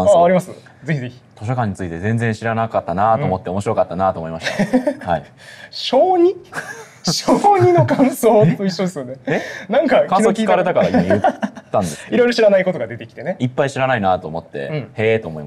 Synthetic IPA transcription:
ãaaɾʲimasɨze̞çʲize̞çʲi̥t̪ʰo̞ɕ̬okãɲ̟ːit͡sɨit̪e̞zẽ̞nd͡zẽ̞ɰ̃ɕiɾanakat̪ːanat̪o̞ːmo̞t̪ːeomo̞ɕiɾo̞kat̪ːanat̪oːmoimaɕt̪hai | ɕo̞ːɲ̟i | ɕoːɲinokãɰ̃so̞ːt̪ːoiɕːo̞d̪e̞sɨjoneenãŋkakãiokʲikaɾet̪akaɾɾajɯt̪ːãnd̪esiɾo̞jɾo̞ɕiɾanaiko̞t̪o̞ɡad̪e̞t̪e̞kʲi̥t̪e̞ne̞ipːaiɕiɾanainat̪o̞ːmo̞t̪ːẽ̞̰et̪o̞ːmoḭma

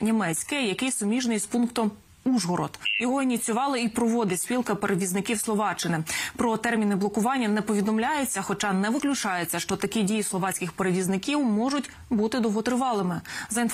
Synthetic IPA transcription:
nʲimɛt͡sʲkɛjɐkɪjsɔmʲiʒnɪjspunkt̪ɔm | uʒɦɔɾɔ̰t̪jɔɦɔinʲit͡sʲʊʋɑlˠɪipɾɔʋɔd̪ɪsʲpʲilˠkɐpeɾeʋʲiznɪkʲiwslˠɔʋɑt͡ʃːɪnɪpɾɔt̪ɛrmʲinɪblˠɔkʊʋɑnʲːɐnɛpɔʋʲid̪ɔmlʲajet͡sʲːɐxɔt͡ʃɑnɛʋɪklʲʊt͡ʃɑjet͡sʲːɐʃt͡ʃɔt̪ɐkʲidʲijislˠɔʋɑt͡sʲkʲɪxpeɾeʋʲiznɪkʲiwmɔʒʊtʲ | but̪ɪd̪ɔɦɔt̪ɾɪʋɑlˠɪmɪzɐinf

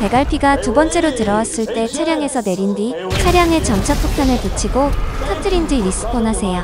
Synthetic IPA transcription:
pe̞ɡaɭpʰiɡatubʌnt͡ɕ͈e̞ɾotɯɾʌwas͈ɯɭt͈e̞t͡ɕʰaɾjaŋe̞sʰʌne̞ɾindi | t͡ɕʰaɾjaŋe̞t͡ɕʌmt͡ɕʰʌk̚pʰuk̚pʰjʌnɯɭtut͡ɕʰiɡotʰatʰɯɾind͡ʑiɾis͈ɯ̥pʰonasʰe̞jo

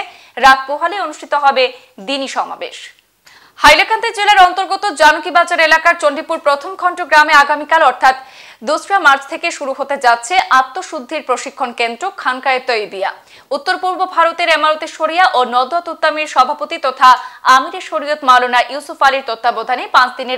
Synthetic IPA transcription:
ɾak̪̚poɦaleonuʃʈʰit̪oɦɔbe | d̪iniʃɔma̰bḛʃ | hajlakʰant̪ed͡ʑelaɾɔnt̪oɾɡot̪od͡ʑanokibad͡ʑaɾelakaɾt͡ɕonɖipuɾpɾot̪ʰomɡʰʱɔɳʈoɡɾameaɡamikalɔɾt̪ʰat̪ | d̪osfiamaɾt͡ɕʰt̪ʰekeʃuɾuɦot̪ed͡ʑatːɕʰeʔat̪ːoʃud̪ʱːeɾpɾoʃikʰːonkend̪ɾokʰankaet̪ojbia | ut̪ːoɾpuɾbobʱaɾot̪eɾemaɾot̪eʃoɾijaʔonɔd̪at̪ut̪ːamiɾʃɔbʱapot̪it̪ɔt̪ʰaamiɾeɾʃoɾijot̪malonaʔjusufaliɾt̪ot̪ːabod̪ʱanepãt͡ɕʰd̪ineɾ

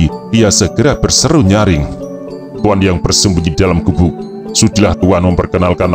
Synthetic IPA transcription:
iijasəɡ̥əɾab̥ərsəɾuɲaɾɪŋ | t̪uanjaŋbərsəmbuɲidalamɡubʊk̚ | sud̥ilaht̪uanməmpərkənalkan

